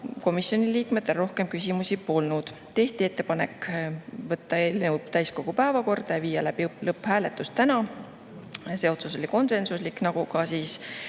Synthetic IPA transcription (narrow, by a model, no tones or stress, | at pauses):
ko̞misːjo̞niliːkmed̪ˑero̞hke̞mkysʲimusipo̞lnud̪̥ | t̪e̞ht̪ie̞t̪ːe̞pɑne̞kːvɤt̪ːɑelnəpt̪æjsko̞ɡ̥upæevɑko̞rd̪̥ɑjɑviːjɑlæb̥ilɤpːhæːle̞t̪ːust̪ːænɑ | se̞ːo̞t̪suso̞lʲiko̞nse̞nsusliknɑɡ̥ukɑsiːs